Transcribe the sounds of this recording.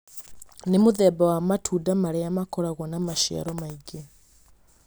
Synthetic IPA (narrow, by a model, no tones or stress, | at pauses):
nemoðɛbawamatʰudamaɾɛamakɔɾaɣwɔnamaʃia̰ɾɔmaiɡe